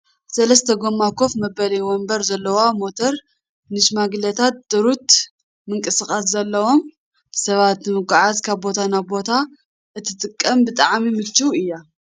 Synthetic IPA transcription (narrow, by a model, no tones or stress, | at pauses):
sɐlɐst̪ʰɐɡomːakʰo̞fmɐbɐlɐjwombɐɾzɐlːɐwamo̞t̪ʰɐɾ | nɨʃmaɡlɐt̪ʰat̪̚d̪̥ɨɾut̪ | mɨŋkʼɨsɨxʼaszɐlːɐwo̞m | sɐβat̪nɨmɨɡʷaʕazkʰaβbo̞t̪ʰanaβbo̞t̪ʰa | ʔɨt̪ʰːɨt̪ʼɨkʼːɐmbɨt̪ʼaʕmimɨt͡ʃːuɨjːa